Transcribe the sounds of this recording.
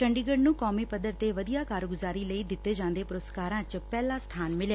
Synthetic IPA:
ʈəɳɖiːɡəɖnũːkɔːmiːpəd̪əɾt̪eːʋəd̪ijaːkaːɾɡʊzaːɾiːləiːd̪ɪt̪ːeːd͡ʒãːnd̪eːpʊɾoskaːɾãːt͡ʃpɛːlãːst̪ʰaːnmɪljaː

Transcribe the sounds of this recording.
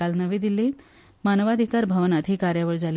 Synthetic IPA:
alnəʋed̪ile | manəʋad̪ʱikaɾbʱəʋənat̪ʰikaɾjaʋəɭd͡zal

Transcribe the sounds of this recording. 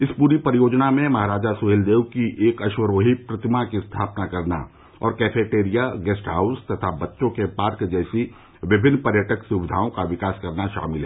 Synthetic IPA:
ɪspuːɾipəɾɪjoːd͡ʒnamẽmɐɦaɾaːd͡ʒasʊɦeːld̪eːʋkiʔːkɐʃwəɾoːɦipɾɐt̪ɪmakist̪ʰaːpnakɐɾna̰ | ɔ̰ːɾkɛːfeːʈeːɾijaɡɛːsʈɦaːʊst̪ɐt̪ʰabɐtːʃõkepaːɾkd͡ʒɛːsi | ʋɪbʱɪnːpɐɾjəʈəksʊʋɪd̪ʱaːõkaʋɪkaːskɐɾnaʃa̰ːmɪlɦɛ

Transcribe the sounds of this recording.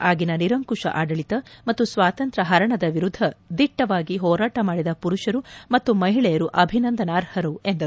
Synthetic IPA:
ʔaːɡinɐniɾɐŋkuʂɐ̰ʔaːɖɐɭit̪ɐmɐt̪ːusʋaːt̪ɐnt̪ɾɐɦɐɾɐɳɐd̪ɐʋiɾud̪ʱːɐd̪iʈːɐʋaːɡiɦɔːɾaːʈɐmaːɽid̪ɐpuɾuʃɐɾumɐt̪ːumɐɦiɭɛjɐɾuʔɐbʱinɐnd̪ɐnaːɾhɐɾuend̪ɐ

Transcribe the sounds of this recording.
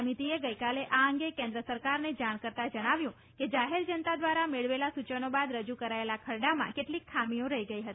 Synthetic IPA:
mit̪ieɡəjkaleʔaəŋɡekẽnd̪ɾəsəɾkaɾned͡ʒaɽ̃kəɾt̪ad͡ʒəɽ̃aʋjũ | ked͡ʒaɦeɾd͡ʒənt̪ad̪ʋaɾameɭʋelasut͡ʃənobad̪ɾəd͡ʒukəɾaelakʰəɾɖamã̰keʈlikʰːamiõɾəɦiɡəiɦət̪i

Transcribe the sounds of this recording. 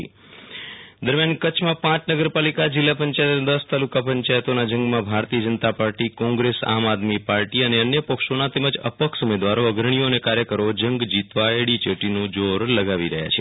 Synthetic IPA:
d̪əɾmjankət͡ʃʰmãpãt͡ʃnəɡəɾpalikad͡ʒɪlːapəɲt͡ʃajt̪ned̪əst̪alukapəɲt͡ʃajt̪onad͡ʒə̃ŋɡmãbʱaɾt̪iəd͡ʒənət̪apaɾʈikɔ̃ŋɡɾesa̰ːmad̪mipaɾʈiəneənjəpəkʃonat̪eməd͡ʒə̰pəksumed̪ʋaɾoəɡɾəɳ̃ijonekaɾjəkəɾod͡ʒəŋɡd͡ʒit̪ʋaeɽit͡ʃəʈinũd͡ʒoɾləɡaʋiɾəɦja̰t͡ʃʰe

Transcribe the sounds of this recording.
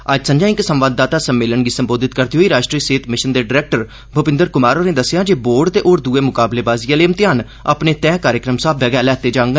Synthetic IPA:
əd͡ʒsə̃ɲd͡ʒãːɪksəmʋaːd̪̚ːaːt̪aːsəmːeːlənɡiːsəmboːd̪ɪt̪kəɾt̪iɦoːiːɾaːʃʈɾiːəseːt̪mɪʃənd̪eːɖɪɾɛːk̚ʈəɾ | bʱʊpɪ̃nd̪əɾkʊmaːɾoːnẽːd̪əsːjãːd͡ʒeːboːɾɖt̪eːʔoːɾd̪uːeːmʊkaːbleːbaːzijaːleːmt̪ɪjaːn | a̰pneːt̪ɛ̃ːkaːɾjəkɾəmsaːbʋɛɡɛːlɛːt̪eːd͡ʒãːŋɡ

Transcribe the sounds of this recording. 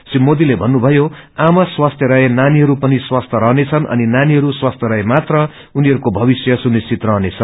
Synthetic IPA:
simod̪ilebʱʌnːubʱʌjoamaswast̪ʰjʌɾʌenaniɦʌɾupʌniswast̪ʰjʌɾʌɦnet͡sʰʌnʔʌ̰ninaniɦʌɾuswast̪ʰjɾʌemat̪rʌ | uniɦʌɾukobʱʌbisjʌsunist͡sit̪rʌɦnet͡sʰʌn

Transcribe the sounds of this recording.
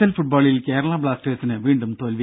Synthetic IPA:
ɐlfuʈ̚baːɭilkeːɾɐɭaːbɭaːsʈeːsinɨʋiːɳɖumt̪oːlʋ

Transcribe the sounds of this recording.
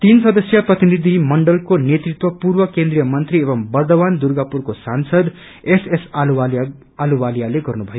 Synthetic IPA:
t̪insʌd̪ʌsjʌprʌt̪inid̪ʱimʌɳɖʌlkonet̪rit̪wʌpurbʌkend̪ɾijʌmʌnt̪ɾiebʌmbʌrd̪ʌband̪uɾɡapurkosansʌd̪ | esesua | aluwalijaleɡʌrnubʱʌjo

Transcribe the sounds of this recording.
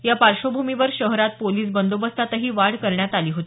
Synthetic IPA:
japaɾʂobʱumiʋəɾɕəɦɾat̪̚poliːsbənd̪obəst̪at̪əɦiːʋaɽkəɾɳjat̪aliːɦot̪ː

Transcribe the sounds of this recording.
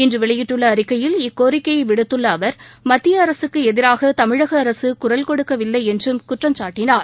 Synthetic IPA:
ɪndrɯʋɪɭɐjɪʈːɯɭːɐːɾɪkːɐjɪlɪkːoːɾɪkːɐjɐʋɪɽɯt̪ːɯɭːɐːʋɐɾmɐt̪ːɪjɐːɾɐsɯkːɯɛðɪɾaːɣɐt̪ɐmɪɻɐɣɐːɾɐsɯkʊrɐlkɔɽɯkːɐʋɪlːɐɪɛndrɯmkʊʈrɐmt͡ʃaːʈːɪnaːɾ

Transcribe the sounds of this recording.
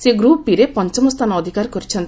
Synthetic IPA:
seɡɾupiɾepɔnt͡ʃɔmɔst̪ʰanɔːd̪ʱikaɾkɔɾit͡ʃʰɔnt̪i

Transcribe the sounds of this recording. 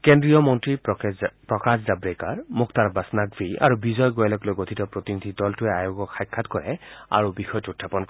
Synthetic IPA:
kendɹijɔmɔntɹipɹɔkaszabɹekaɹmʊktaɹbasnaɡbia̰ɹubizɔjɡojalɔklojɡotʰitɔpɹot̪inid̪ʱidɔltuɛajoɡɔkxajkʰːatkɔɹɛa̰ɹubixɔjɔtuutʰːapɔnk

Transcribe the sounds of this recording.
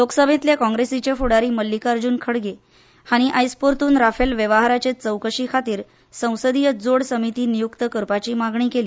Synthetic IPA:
loksəbʱẽt̪ljakɔ̃ŋɡɾesit͡ɕefuɽaɾiːməlːikaɾd͡ʑuːnkʰəɽɡe | haɽ̃iʔajspoɾt̪uːnɾafelʋeʋaɦaɾat͡ɕet͡səwkəɕikʰat̪iːɾ | sə̃w̃səd̪ijəd͡zoɽsəmit̪iːnijukt̪əkəɾpat͡ɕiːmaɡɳiːkeli

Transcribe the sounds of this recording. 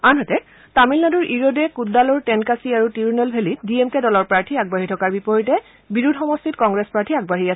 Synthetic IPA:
anɦɔtɛ | tamilnaduɹʔiɹodɛkuddalɔɹtɛnkasiaɹutijnelbʱelitdiemkɛdɔlɔɹpɹaɹtʰiaɡ̚baɦitʰɔkaɹbipɔɹitɛ | biɹudʱxɔmɔstitkɔŋɡɹespɹaɹtʰiaɡ̚baɦiasɛ

